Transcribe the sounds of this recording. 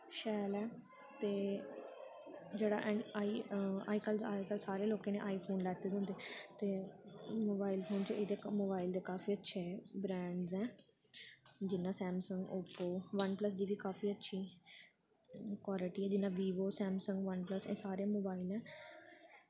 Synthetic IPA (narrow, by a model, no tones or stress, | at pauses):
ʃɛːlɛː | t̪eː | d͡ʒeːɽa̰ːʔɛ̃aːiːa̰ːiːkəlaːikəlsaːɾeːloːkẽːnḛ̃ːʔaːiːpʰoːnlɛːt̪eːd̪ə̃nd̪eːt̪eːmoːbaːɪlpʰoːnt͡ʃeːd̪emoːbaːɪld̪eːkaːfʰiːətːʃʰeːbɾɛ̃ːɳɖzɛː | d͡ʒɪnːãːsɛːmsəŋɡoːpoːʋənpləs̬d̪iːʋiːkaːfʰiːətːʃʰiː | kwaːlɪʈiːɛːd͡ʒɪnːãːʋiːʋoːsɛːmsəŋɡʋənpləsḛ̃ːsaːɾeãmoːbaːɪlɛː